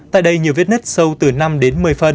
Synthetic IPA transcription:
t̪a̰ː˧˨jɗə˧jɲi˨˩əwvi˦˥t̚i˦˥t̚sə˧wt̪ɨ˨˩na˧mɗe˨˦nmɨ˨˩əjfə˧˩n

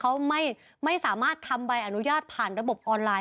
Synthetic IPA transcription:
kʰa˦˥wma˥˩j | ma˥˩jsaː˩˦maː˥˩t̪ʰa˧mba˧jʔa˨˩nu˦˥jaː˥˩t̪̚pʰaː˨˩nɾa˧bo˨˩p̚ʔɔː˧nlaː˧

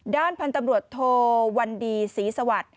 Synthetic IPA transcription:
daː˥˩npʰa˧nt̪a˧mɾu˨˩ət̪ʰːoː˧wa˧ndiː˧siː˩˦sa˧wa˨˩t̪̚

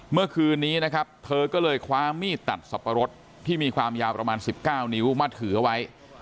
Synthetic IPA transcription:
mɯ˥˩ɐkʰɯː˧nːiː˦˥na˦˥kʰɾa˦˥p̚t̪ʰɤː˧kɔː˥˩lɤː˧jkʰwaː˦˥miː˥˩t̪ːa̰˨˩t̪̚sa˨˩pːa˧ɾo˦˥t̪̚ʰːiː˥˩miː˧kʰwaː˧mjaː˧wpɾa˧maː˧nsi˨˩p̚kaː˥˩wni˦˥wmaː˧˩t̪ʰɯː˩˦ʔa˧wa˦˥j

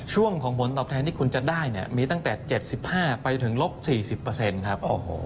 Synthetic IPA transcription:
t͡ɕʰu˥˩əŋkʰɔː˩˦ŋmʰo˩˦nt̪ɔː˨˩t̪ʰɛː˧nt̪ʰiː˥˩ku˧nt͡ɕa˨˩daː˥˩jni˥˩ɐmiː˧t̪a˥˩ŋt̪ɛː˨˩t͡ɕe˨˩t̪̚si˨˩p̚haː˥˩pa˧jt̪ʰɯ˩˦ŋlo˦˥p̚siː˨˩si˨˩pːɤː˧se˧nkʰa˦˥p̚ʔo˧˩˧

